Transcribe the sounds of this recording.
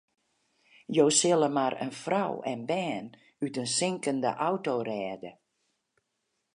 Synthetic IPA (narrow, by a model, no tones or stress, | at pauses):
joːsɪləmaɾə̰nfra̰wɛ̰nbɛːn | ytənsɪŋkəndə̰ʔawtoːrɛːdə